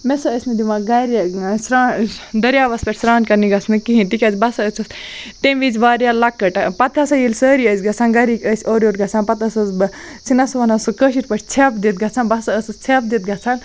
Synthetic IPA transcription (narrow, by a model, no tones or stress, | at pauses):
mesɐəsʲmed̪imaɡɐɾjasɾaːd̪ɐɾjaːbɐspʲeʈʲsɾaːnkɐɾniɡɐt͡sʰmekiɦĩnt̪ikʲɐt͡sbɐsɐət͡sʰɐst̪emʋid͡zʋaːɾjalɐkːɐʈapɐt̪ʰɐsɐjilʲsəːɾiəsʲɡɐt͡sʰaːnɡɐɾikəsʲoːɾoːɾɡɐt͡sʰaːnpɐt̪ɐsɐzbt͡sinɐsuʋɐnɐsokəʃiʈpɐʈʰʲt͡sʰepd̪it̪̚ɡɐt͡sʰaːnbɐsɐəsɐt͡sʰeːp̚d̪it̪̚ɡɐt͡sʰaːn